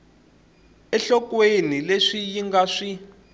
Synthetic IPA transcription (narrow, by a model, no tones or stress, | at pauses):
ɛɬɔkwenileʂijiŋɡaʂi